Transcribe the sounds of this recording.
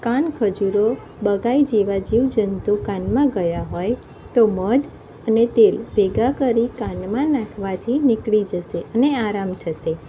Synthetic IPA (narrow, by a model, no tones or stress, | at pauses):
kankʰəd͡ʒuɾo | bəɡaid͡ʒeʋad͡ʒiʋd͡ʒənt̪ukanmãɡəjaɦoj | t̪oməd̪ | ənet̪elbeɡakəɾikanmãnãkʰʋat̪ʰinɪkɭid͡ʒəʃeəneaɾamt̪ʰəʃe